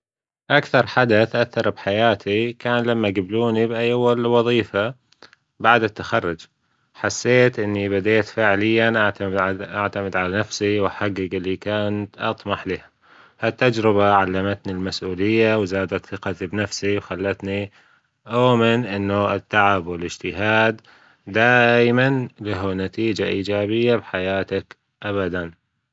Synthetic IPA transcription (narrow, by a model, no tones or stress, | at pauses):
ʔakθɑɾˤħad̪at̪ʔaθːɑɾˤbħajaːt̪ʰikaːnlamːaɡabluːnibʔajwːalwɑðˤiːfa | baʕd̪at̪ːaxɑrˤːʊd͡ʒ | ħasːeːt̪ʔɪnːibad̪eːt̪faʕlɪjːanʔaʕt̪amʔaʕt̪amɪd̪ʕalanafsiwaħaɡːɪɡɪlːikaːnat̪ʔɑt̪ˤmɑħliha | hat̪ːad͡ʒɾɪbaʕalːamat̪nilmasʔuːlɪjːawzaːd̪at̪θɪqɑt̪ibnafsiwxalːat̪ni | ʔawamɪnʔɪnːʊɪt̪ːaʕabwɪlɪd͡ʒt̪ɪɦaːd̪ː | aːjmanlaɦunat̪iːd͡ʒaʔiːd͡ʒaːbɪjːabħajaːt̪ak | ʔaβad̪an